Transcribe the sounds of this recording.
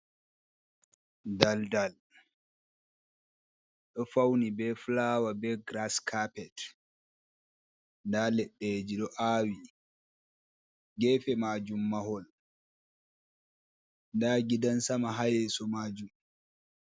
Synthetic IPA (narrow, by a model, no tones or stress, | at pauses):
daldal | ɗɔfawnibɛflaːwabɛɡɾaskʰapɛt | ndaːlɛɗːed͡ʒiɗɔʔaːwi | ɡɛːfɛmaːd͡ʒumːaɦɔl | ndaːɡidansamaɦajɛsɔmaːd͡ʒum